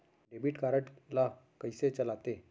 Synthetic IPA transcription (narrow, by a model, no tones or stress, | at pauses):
ɖebiːʈkaɾəʈla | kəjset͡ɕəlat̪e